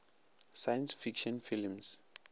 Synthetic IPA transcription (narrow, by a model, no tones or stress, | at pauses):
sajansfikʃɔ̃nfilms